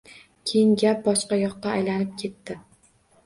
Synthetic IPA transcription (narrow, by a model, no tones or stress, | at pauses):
kʲʰejɪŋɡʲap̚bɒʃqɑjɒqːɑːjlanɪp̚kʲʰe̞t̪ːɪ